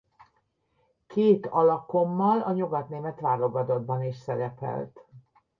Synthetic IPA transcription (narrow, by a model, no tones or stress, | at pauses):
keːt̪ɒlɒko̞mːɒlɒɲuɡɒt̪neːmɛt̪ʋaːɾo̞ɡɒd̪o̞d̪̚bɒniʃsɛɾɛpɛ̰lt̪